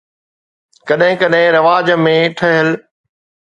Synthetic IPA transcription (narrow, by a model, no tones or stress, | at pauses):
kɐɗɦɪ̃kɐɗɦɪ̃ɾɐʋaːd͡ʑmẽʈʰɐɦəl